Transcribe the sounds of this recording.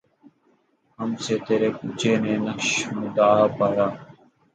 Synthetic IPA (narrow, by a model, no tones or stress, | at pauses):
ɦəmseːt̪eːɾeːkʊːt͡ʃeːnẽːnəkʃɦʊ̃nd̪aːpaːɾaː